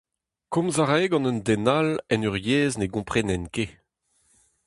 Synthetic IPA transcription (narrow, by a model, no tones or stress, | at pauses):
kɔ̃mzaʁɛːɡɑ̃nənd̪ɛnalɛnyʁjeːzneɡɔ̃pχɛnɛnke